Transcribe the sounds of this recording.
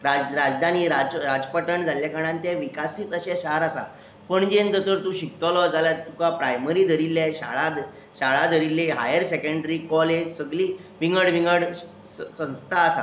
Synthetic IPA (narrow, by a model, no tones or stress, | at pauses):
ɾad͡zɾad͡zd̪ʱaniːɾad͡zɾad͡zpəʈəɳd͡zʱaljakaɽ̃ãnt̪eʋikasiːt̪əɕɛɕaaɾasa̰ | pəɳd͡ʑend͡z̪ət̪əɾt̪uːɕik̚t̪ɔlɔd͡zalaɾt̪ukapɾajməɾiːd̪ʱəɾilːaɕa̰ɭad̪ | ɕaɭad̪ʱəɾileɦa̰jəɾsekəɳɖɾiːkɔled͡ʑsəɡliː | ʋiŋɡəɽʋiŋɡəɽ | sə̃w̃st̪ʰaːsa̰